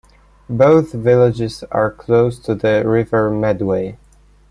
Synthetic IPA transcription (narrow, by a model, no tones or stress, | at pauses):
boʊθvɪlɪd͡ʒɪza̰ɹkʰloʊst̪ʰuðəɹɪvə˞mɛdweɪ